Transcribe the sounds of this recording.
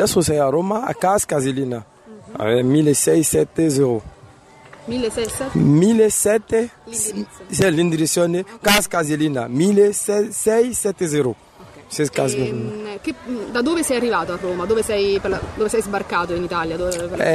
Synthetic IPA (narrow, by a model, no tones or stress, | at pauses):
dɛsosɛjaɾomaa̰kaskazelina | a̰ɛmilesɛjsɛt̪ːezeɾu | mi | milesɛt̪e | sɛlĩnd̪iɾisjɔnekaskazelinamilesɛsɛjsɛt̪ezeɾu | seskazked̪ad̪oːvesɛjarːivaːt̪oarːoːmad̪oːvesɛjpeld̪oːvesɛjzbarkat̪oinit̪aljad̪oɛ